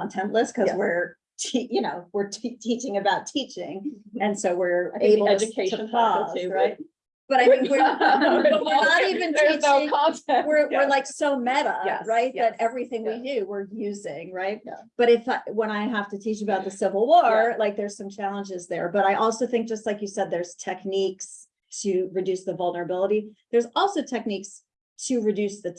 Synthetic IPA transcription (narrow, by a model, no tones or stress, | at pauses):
ɑ̃ntʰɛ̃nʔˡləskʰʌwɪɹ | tʰijɨnoʊwɪɹtʰtʰit͡ʃɪ̃ŋɨbaʊtʰit͡ʃɪ̃ŋɨ̃nsoʊwɪɹaɪeɪbl̩ˠɛd͡ʒɨkʰeɪə̃n̩ʰɔzɹaɪt̚ | b̥ʌɾaɪθɪ̃ŋkwɪ | nəɾivɨ̃nʰit͡ʃŋkʰɑ̃ntʰɛ̃wɪɹwɪɹlaɪksoʊmɛɾəjæɹaɪt̚jðɨɾɛvɹiθɪ̃ŋwidʉwɪɹjʉzɪ̃ŋɹaɪt̚ | b̥ʌɾɪfawə̃ñaɪɦæftɨtʰit͡ʃɨəbaʊt̪̚ðɨsɪvl̩ˠwɔɹlaɪk̚ðə˞z̥sʌ̃mt͡ʃʰælˠə̃nd͡ʒɪzðə̰˞bʌɾaɪʔɔlˠsoʊθɪ̃ŋk̚d̥ʒ̥ʌst̚ˡlaɪkjɨsɛd̪̚ðə˞z̥tʰɛkniks | tʰɨɹɨdʉsðəvʌlˠnə˞ɨbɪlˠəɾiðə˞zɔlˠsoʊtʰɛk̚niks | tʰɨɹɨdʉsðɨ